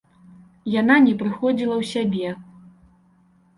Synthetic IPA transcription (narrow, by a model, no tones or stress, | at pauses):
jananʲɛpɾɨxɔd͡zʲilˠɐwsʲabʲɛ